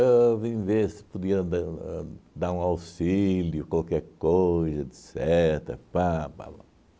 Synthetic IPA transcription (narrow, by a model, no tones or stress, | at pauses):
evĩvesɪ̥pod̪iɐd̪a | d̪aɾũawsiljʊkwalkɛɾkojzɐd̪sɛt̪ɾɐ̰papa̰ba̰